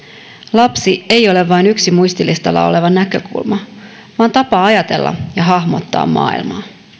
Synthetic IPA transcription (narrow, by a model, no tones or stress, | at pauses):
lɑpsie̞jo̞le̞ʋːɑjnyksimujst̪ilist̪ɑlːɑ̰o̞̰le̞ʋɑnːækø̞kṵlmɑ | ʋɑːnt̪ɑpɑɑjɑt̪e̞̰lːɑ̰jɑɦɑhmo̞̰t̪ːɑ̰ːmːɑ̰ːḭlmɑː